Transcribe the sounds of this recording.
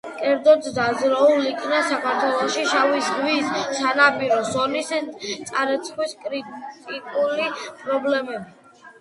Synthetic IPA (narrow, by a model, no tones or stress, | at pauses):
kʼɛɾd̪zɔt̪d̪azɾaulikʰnasakʰaɾt̪ʰwɛlˠɔʃiʃavisʁwiːsːanapʼiɾɔsɔnist̪sʼaɾɛt̪sʰχwiskʼɾit̪ʼikʼulipʼɾɔblɛmɛbi